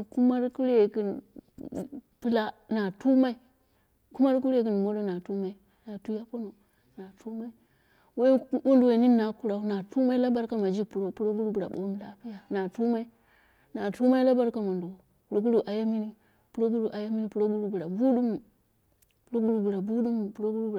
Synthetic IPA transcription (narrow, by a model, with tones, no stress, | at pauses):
ku˦ma˦ɾku˦ɾe˨ki˨n˨ | pi˦la˦na˨tu˦ma˦i˦ | ku˦ma˦ɾku˦ɾe˨ki˨n˨mo˦lo˦na˨tu˦ma˦i˦ | na˨tu˦ja˦po˦no˨ | na˨tʰu˦ma˦i˦ | we˦wu˦ndu˨we˨ni˦nːa˨ku˦ɾa˦u˦na˨tu˦ma˦i˦la˦ba˦ɾka˦ma˨d͡ʒi˦kpu˨ɾo˦pu˦ɾo˦bu˦ɾu˨bu˨ɾa̰˨ɓo̰˨˦m˦la˦pi˦ja˦na˨tu˦ma˦i˦ | na˨tu˦ma˦i˦la˦ba˦ɾka˨ma˨ndo˨ | pu˨ɾo˦ɡu˦ɾu˨ʔa˨ja˦mi˦ni˦ | pu˦ɾo˦ɡu˦ɾu˨ʔa˨ja˦mi˦ni˦pu˨ɾo˦ɡu˦ɾu˨bu˨ɾa˨bu˦du˦m˨ | pu˦ɾo˦bu˦ɾu˨bu˨ɾa˨bu˦du˦m˨pu˨ɾo˦ɡu˦ɾu˦˨